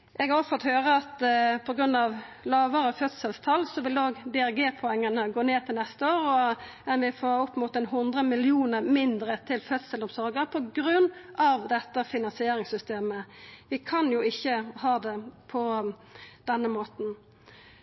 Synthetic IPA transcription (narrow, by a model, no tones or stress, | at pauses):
ʔɛɡɑɔfɔt̪høːʁəɑt̪pʰɔɡɾʉnːɑʋlɑːʋəɾəfœt̪səlst̪ʰɑlsɔʋɪloːɡd̪ɛæʁɡeːpʰʊɛŋːənəɡoːneːt̪ʰɪlnɛst̪əoːɾɔ | ɛnʋɪfoːɾʊpːmʊt̪ɛnɦʊnd̪ʁəmɪlɪuːnəmɪnd̪ɾət̪ʰɪlfœt̪səlʊmsɔɾɡəɾpʰɔɡɾʉnːʔɑʋd̪ɛt̪ːəfɪnɑnsɪeːɾɪŋsʏst̪eːməʋɪkʰɑnjʊɪçːəhɑːd̪ɛpʰɔ | d̪̥ɛnːəmoːt̪n̩